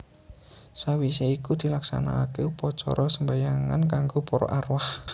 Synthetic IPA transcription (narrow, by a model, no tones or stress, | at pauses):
sawiseikud̪̥i̤laksa̰na̰kepɔt͡ʃɔ̰ɾɔsəmbajaŋa̰nkaŋɡopɔɾɔ̰ʔarwah